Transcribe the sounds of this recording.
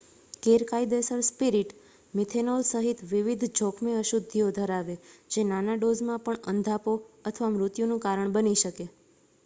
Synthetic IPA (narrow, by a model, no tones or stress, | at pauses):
keɾkajd̪esəɾspiɾiʈ | mɪt̪ʰenolsəɦit̪ʋiʋid̪ʱd͡ʒɔkʰmeəʃud̪ʱːiod̪ʱəɾaʋed͡ʒenanaɖozmãpəɳənd̪ʱapoət̪ʰəʋamɾʊt̪junũkaɾəɳbəniʃəke